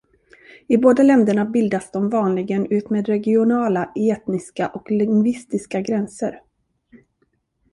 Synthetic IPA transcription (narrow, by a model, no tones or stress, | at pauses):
ɪboːd̪alɛnd̪əɳabɪld̪asd̪ɔmvɑːnlɪɡənʉ̟ːt̪meːd̪ɾɛɡɪʊnɑːlaʔeːt̪nɪskaʔɔklɪŋvɪst̪ɪskaɡɾɛnsə̰ɾ